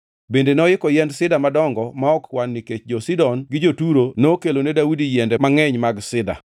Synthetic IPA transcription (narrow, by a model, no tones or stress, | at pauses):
bendenɔɪkɔjɛndsɪdamadɔŋɡɔmaɔkwanːiket͡ʃd͡ʒɔsidɔnɡɪd͡ʒotuɾonoːkelonedaudijɛndɛmaŋɛɲmaɡsɪda̰